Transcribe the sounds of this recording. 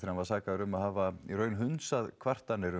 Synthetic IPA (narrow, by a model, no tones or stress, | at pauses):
θiɾanvaɾ̥saːkaðʏɾʏmaðhaːvaiɾœːɥnɦʏnsaðkʰvar̥t̪anːɪɾʏ